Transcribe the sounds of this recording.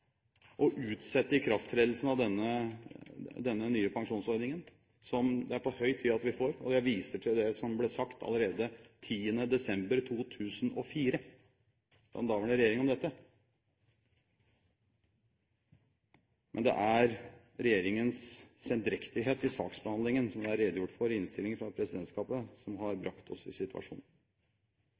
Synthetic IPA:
ʔɔʔʉːt̪sɛt̪ːəɪkʰɾɑft̪ʰɾeːd̪l̩snɑʋd̪ɛnːə | d̪ɛnːənyːəpʰɑŋʂuːnsɔɾd̪nɪŋən | sɔmd̪ɛæɾpʰɔhœʏt̪ʰiːɑt̪ʋɪfoːɾɔ̰d̪ɛʋiːsəʈʰɪld̪ɛsɔmblɛːsɑkt̪ʰɑ̰ləɾeːd̪ət̪ʰiːənəd̪ɛsɛmbəɾt̪ʰuːt̪ʰʉːsənʔɔfiːɾə̥ | ɑ̰nd̪ɑːʋəɳəɾɛjeːɾɪŋɔmd̪ɛt̪ːə | mʔɛnd̪ɛ̰ʔæɾ | ɾɛjeːɾɪŋənssɛnd̪ɾɛkt̪ɪɦeːt̪ɪsɑ̰ːksbəhɑnd̪ɪŋənsɔmæɾeːd̪jʊʈːfɔɾɪnst̪ɪlɪŋfɾɑpʰɾɛsɪd̪ɛnt̪skɑːpəsɔmɦɑɾbɾɑkt̪ʰɔsɪ̰sɪt̪ʉɑ̰ʂṵːnn

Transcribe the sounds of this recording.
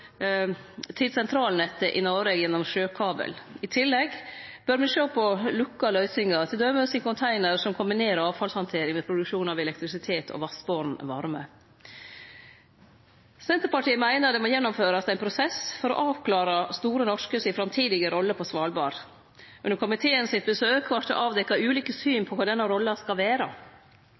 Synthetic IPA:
t̪ʰɪlsɛnt̪ʰɾɑːlnɛt̪ːəʔɪnɔʋeːɡjɛnːɔmʃøːkʰɑːbə̰lɪt̪ʰɪlːɛɡb̥œɾmɛʃøːpʰɔlʉkːɑlœʏsɪŋɑt̪ʰɪld̪œʏməsɪnkʊnt̪ʰæɪnəɾsɔmkʰʊmbɪneːɾəɾɑːʋfɑlshɑnt̪ʰeːɾɪŋmeːpʰɾʊd̪ʉkʂuːnɑʋɛlɛkt̪ɾɪsɪt̪ʰeːt̪ʰɔ̰ʋɑsboɾnʋɑɾmə̰ | sɛnt̪əɾpɑʈʰiːəmæɪnəɾd̪ɛmoːjɛnːɔmføːɾɑsd̪ɛæɪnpʰɾʊsɛsfɔɾɔ̰ʔɑːʋkʰlɑːɾɑst̪uːɾənɔʂkəsɪfɾɑmt̪ʰiːd̪ɪɡəɾɔlːəpʰɔsʋɑlbɑɾ | ʔʉnəɾkʊmɪt̪ʰeːənsɪt̪̚bəsøːkʰʋɑʈɔ̰ʔɑːʋd̪ɛkːɑʉːliːkəsyːnpʰɔkʰɑːd̪ɛnːɑɾɔlːɑskɑlʋæːɾɑ

